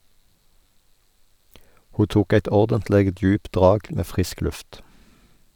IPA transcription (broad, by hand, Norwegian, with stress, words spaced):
ˈhuː ˈtuːk ˈæɪt ˈɔʁdəntˌleːɡ ˈdjʉːpt ˈdʁɑːɡ ˈmeː ˈfʁɪsk ˈlʉft